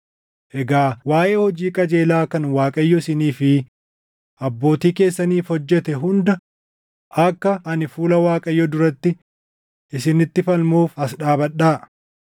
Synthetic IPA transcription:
ʔɛɡaːwaːʔe̞ːhɔd͡ʒiːkʼɐd͡ʒe̞ːlaːkɐnwaːkʼɐjːɔɪsɪniːfɪ | ʔɐbːo̞ːt̪iːke̞ːsːɐniːfhɔd͡ʒːɛt̪ɛɦʊnd̪ɐ | ʔɐkːɐʔɐnɪfuːlɐwaːkʼɐjːɔd̪ʊɾɐt̪ːɪ | ʔɪsɪnɪt̪ːɪfɐlmuːfɐsᶑaːbɐɗaː

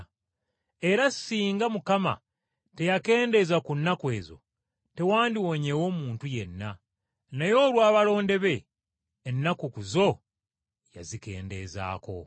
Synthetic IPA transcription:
e̞ɾasiːŋɡamukama̰ | te̞jake̞ːnde̞zakunːakwe̞ːzo̞̰ | te̞waːndiwoɲewo̞ːmuːntuje̞nːa | najo̞ːlwaːβalo̞ːnde̞βe̞ː | nːakukuzo̞ | ja̰zike̞̰ːnde̞za̰ːko̞̰

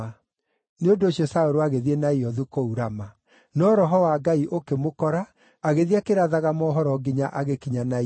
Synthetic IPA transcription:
a | neondoːɕiɔsaoɾoaɣeðienaiɔðukouɾama | nɔːɾɔɦɔwaɡaiʔokemokɔɾa | aɣeðiakeɾaðaɣamɔːɦɔɾɔɡiɲaʔaɣekiɲana

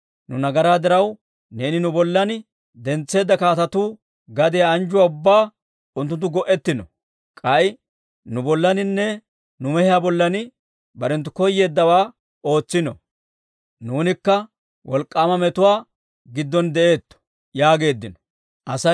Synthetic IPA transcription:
nʊnɐɡɐɾaːd̪ɪɾɐw | ne̞ːnɪnʊbɔlːɐn | d̪ɛnt͡sːe̞ːd̪ːɐkaːt̪ɐt̪uː | ɡɐd̪ɛjaːnd͡ʒʊwaːʊbːaː | ʊnt̪̬ːʊnt̪̬ːʊɡɔʔɛt̪ːɪnɔ̰ | kʼɐɪ | nʊbɔlːɐnɪnːɛ | nʊmɛhɪjaːbɔlːɐn | bɐɾɛnt̪ːʊkɔjːe̞ːd̪ːɐwaː | o̞ːt͡sːɪnɔ | nuːnɪkːɐ | wɔlkʼːaːmɐmɛt̪ʊwaː | ɡɪd̪ːɔnd̪ɛʔe̞ːt̪ːɔ̥ | jaːɡe̞ːd̪ːɪnɔ̥ | ʔɐsɐ

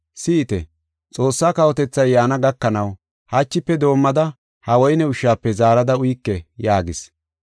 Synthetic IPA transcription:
sɪt̪ɛ̰ | t͡sʼo̞ːsːaːkɐwɔt̪ɛt͡sːɐjːaːnɐɡɐkːɐnɐw | hat͡ʃːɪpːɛd̪o̞ːmːɐd̪ɐ | hɐwɔjɪnɛʊʃaːpːɛzaːɾɐd̪ɐʊjkːɛjaːɡɪs

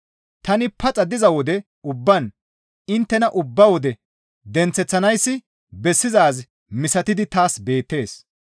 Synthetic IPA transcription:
t̪ɐnɪpɐt͡sʼɐd̪ɪzɐwɔd̪ɛ | ʊbːɐn | ɪnt̪ːɛnɐʔʊbːɐwɔd̪ɛ | d̪ɛnt͡sːɛt͡sːɐnɐjsːɪ | bɛsːɪzaːz | mɪsɐt̪ɪd̪ɪt̪aːsbe̞ːt̪ːe̞ːs

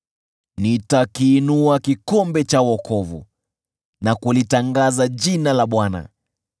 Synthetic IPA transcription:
nitakiːnuakikɔmbɛt͡ʃawɔkʰɔvṵ | nakulitaŋɡazaʄinalaɓwana̰

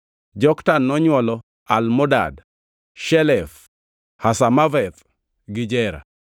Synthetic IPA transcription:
d͡ʒɔktanːɔɲwɔlɔ | almɔda̰d | ʃɛlɛf | hasamavɛt̪ | ɡɪd͡ʒɛɾa̰

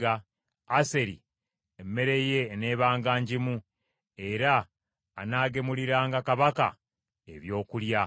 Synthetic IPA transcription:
aː | se̞ɾi | emːe̞ɾe̞je̞ne̞ːβaːŋɡaːɲɟimu | e̞ɾaː | naːɡe̞muliɾaːŋɡakaβaka̰ | e̞̰βjo̞ːkulja

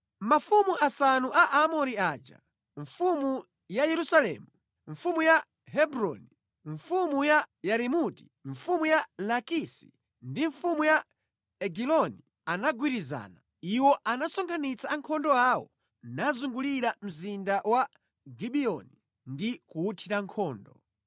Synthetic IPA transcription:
mafumuʔasanuʔaʔamɔɾiad͡ʒa̰ | ɱfumu | jajɛɾusalɛ̰ːmu | ɱfumuja | ɦɛbɾɔ̰ni | ɱfumujajaɾimuti̥ | ɱfumujalakisi̥̰ | ndiɱfumuja | ɛɡilɔni | anaɡwiɾiza̰ːna | iwɔʔanasɔŋkʰanit͡saːŋkʰɔndɔawɔ̰ | nazuŋɡuliɾam̩zindawa | ɡiɓiɔni | ndikuutʰiɾaŋkʰɔːndɔ

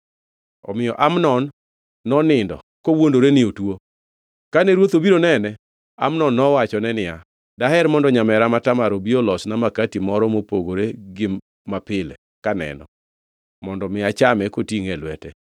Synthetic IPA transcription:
ɔ̰mɪjɔʔamnɔnː | ɔnɪndɔ̰ | kowondoɾenɪotwo | kanɛɾwot̪obiɾonɛnɛ | a̰mnɔnːɔwat͡ʃɔnɛnɪja̰ | dahɛɾmɔndɔɲamɛɾamatamaɾobiolɔsnamakatimɔɾɔmopoɡoɾeɡɪ | mapɪlɛ̰ | kanɛ̰nɔ̰ | mɔndɔmɪat͡ʃamɛkotiŋɛlwɛtɛ

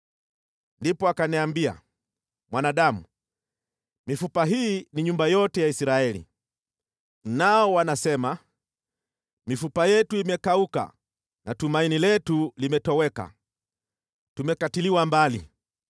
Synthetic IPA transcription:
ndipɔakaniambia̰ | mwanaɗamṵ | mifupaɦiːniɲumbajɔtɛjaisiɾaɛlḭ | naɔwanasɛma | mifupajɛtuimɛkauka̰ | natumainilɛtulimɛtɔwɛka̰ | tumɛkatiliwambalḭ

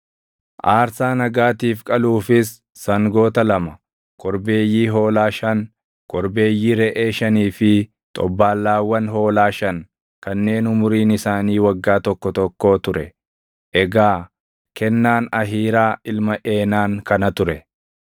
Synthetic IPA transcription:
ʔaːɾsaːnɐɡaːt̪iːfkʼɐluːfɪsː | ɐŋɡo̞ːt̪ɐlɐmɐ | kʼɔɾbe̞ːjːiːɦo̞ːlaːʃɐŋ | kʼɔɾbe̞ːjːiːɾɛʔeːʃɐniːfɪ | t̪ʼɔbːaːlːaːwːɐnɦo̞ːlaːʃɐŋ | kɐnːe̞ːnʊmʊɾiːnɪsaːniːwɐɡːaːt̪ɔkːɔt̪ɔkːo̞ːt̪ʊɾɛ | ʔɛɡaː | kʰɛnːaːnɐɦiːɾaːɪlmɐʔe̞ːnaːŋkɐnɐt̪ʊɾɛ

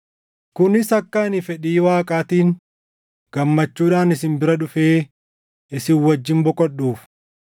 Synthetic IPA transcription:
kʊnɪsɐkːaːnɪfɛᶑiːwaːkʼaːt̪iːn | ɡ̥ɐmːɐt͡ʃːuːᶑaːnɪsɪnbɪɾɐᶑʊfeː | ɪsɪwɐd͡ʒːɪmbɔkʼɔɗuːf

